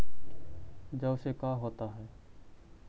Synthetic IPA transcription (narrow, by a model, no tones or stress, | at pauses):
d͡ʒəbsekaːɦoːt̪aɦɛː